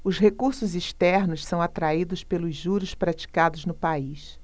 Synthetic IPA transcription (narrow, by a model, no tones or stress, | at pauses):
ʊsɦekuɾsʊziʃt̪ɛɾnʊssɐ̃w̃at̪ɾaid̪ʊspelʊzʒuɾʊspɾat͡ʃi̥kad̪ʊznʊpais